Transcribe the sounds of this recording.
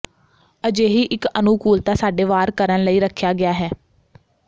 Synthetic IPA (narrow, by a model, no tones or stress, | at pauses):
əd͡ʒeːɦiːʔɪkənuːkuːlt̪aːsaːɖeːʋaːɾkəɾənləiːɾəkʰjaːɡɪjaːɦɛː